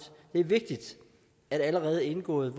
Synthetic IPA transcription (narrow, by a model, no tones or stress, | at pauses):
d̥e̝æɐʋe̝ɡ̥̚d̥id̥ | æɾ̥æləʁɛːð̞̩ˠe̝nɡ̥ɔ̰̽ːð̩ˠʋ